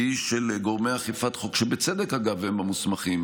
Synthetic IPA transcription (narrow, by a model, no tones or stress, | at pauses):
iʃelɡoʁmejaχifat̪χokʃebet͡sed̪ekhaɡavhemamusmaχim